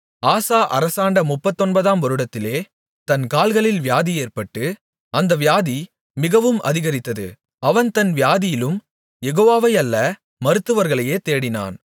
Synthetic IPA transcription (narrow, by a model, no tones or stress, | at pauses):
aːsaːʔɐ̰ɾɐsaːɳɖɐmʊpːɐt̪ːɔnbɐðaːmɔɾɯɽɐt̪ːɪleː | t̪ɐnkaːlɣɐɭɪlʋjaːðieːrpɐʈːɯ | ɐnd̪ɐʋɪjaːði | mɪɣɐʋɯmʔɐ̰ðɪɣɐɾɪt̪ːɐðɯ̰ | ɐʋɐnt̪ɐnʋɪjaːðɪjɪlɯm | jɛɣoːʋaːʋɐɪɐlːɐ | mɐɾɯt̪ːɯʋɐɾɣɐɭɐjeːt̪eːɽɪna̰ːn